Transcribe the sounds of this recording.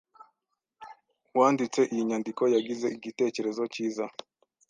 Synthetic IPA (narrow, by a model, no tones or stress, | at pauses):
wandit͡sɛʔiiɲandikɔjaɡizɛiɡitɛt͡ʃɛɾɛzɔt͡ʃiza